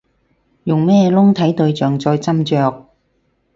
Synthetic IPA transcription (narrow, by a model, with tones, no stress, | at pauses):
jʊ˨ŋmɛː˥lʊ˥ŋt̪ʰɐ˨˥jt̪ɵ˧ɥt͡ʃœː˨˩ŋt͡sɔː˧jt͡sɐ˥mt͡ʃœː˧k̚